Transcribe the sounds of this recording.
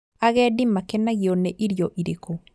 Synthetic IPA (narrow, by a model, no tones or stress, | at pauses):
aɣɛdimakɛnaɣionɛʔiɾjɔʔiɾeko